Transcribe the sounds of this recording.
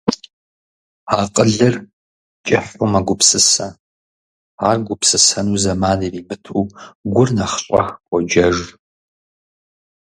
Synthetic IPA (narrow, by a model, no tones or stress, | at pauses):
aːqʼəɮɐr | t͡ʃʼɪħʷʊmɐɡʷʊpsɨsɐ | aːrɡʷʊpsɨsɐnuːzɐmaːniriːbɨtʰuːɡʷʊrnɐχɕʼɔ̰xkʷʼɔd͡ʒɐʒ